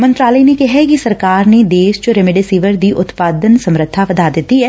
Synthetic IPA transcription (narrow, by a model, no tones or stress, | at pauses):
mə̃nt̪ɾaːləinekɛɦɛkisɐɾkaːɾned̪eːʃt͡ʃoɾɛmɪɖɪsiːʋəɾd̪iːʔʊt̪paːd̪ənsəmɾət̪ʰːaʋɐd̪aːd̪ɪt̪iɦɛː